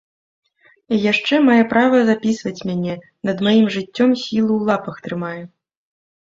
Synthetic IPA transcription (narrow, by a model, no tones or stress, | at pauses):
ijaʂt͡ʂɛmajɛpɾavɐzapʲisvɐt͡sʲmʲanʲɛ | nɐd̪majimʐɨt͡sʲːɔmsʲilˠuːlˠapɐxt̪ɾɨmajɛ